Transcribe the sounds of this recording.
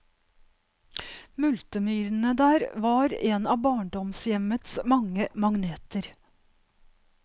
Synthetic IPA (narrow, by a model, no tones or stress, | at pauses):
mʉlt̪əmyːɾn̩əd̪æːɾʋɑːɾeːnɑːbɑːɳɖɔmsjɛmət̪smɑŋəmɑŋneːt̪əɾ